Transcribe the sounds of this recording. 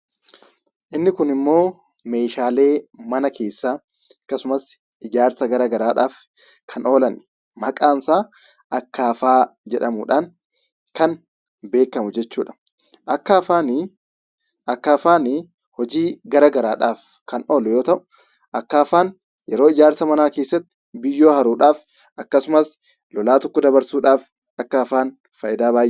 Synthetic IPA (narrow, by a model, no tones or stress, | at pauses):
ʔɪnːɪkʊnɪmːo̞ː | me̞ːʃaːle̞ːmɐnɐkʰe̞ːsːaː | ɐkːɐsʊmɐs | ɪd͡ʒaːɾsɐɡɐɾɐɡɐɾaːᶑaːf | kʰɐno̞ːlɐn | mɐkʼaːnsaː | ʔɐkːaːfaːd͡ʒɛᶑɐmʊᶑaːn | kɐn | be̞ːkːɐmʊd͡ʒɛt͡ʃːuːᶑɐ̥ | ʔɐkːafaːnɪ | ʔɐkːaːfaːnɪ | hɔd͡ʒiːɡɐɾɐɡɐɾaːᶑaːf | kɐno̞ːlʊjoːt̪ɐʔʊ̥ | ʔɐkːaːfaːn | jɛɾoːɪd͡ʒaːɾsɐmɐnaːke̞ːsːɐt̪ːɪ̥ | bɪjːo̞ːɦɐɾuːᶑaːf | ʔɐkːɐsʊmɐs | lɔlaːt̪ɔkːɔd̪ɐβɐɾsuːᶑaːf | ɐkːɐːfaːn | fɐʔɪd̪aːbaːj